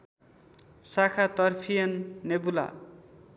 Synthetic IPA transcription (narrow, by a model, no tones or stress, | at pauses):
sakʰat̪ʌrpʰijʌnːebula̰